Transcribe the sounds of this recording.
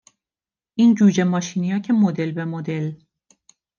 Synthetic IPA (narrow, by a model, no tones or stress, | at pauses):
ʔiːnd͡ʒuːd͡ʒemɒːʃinijɒːcʰemod̪elbemod̪el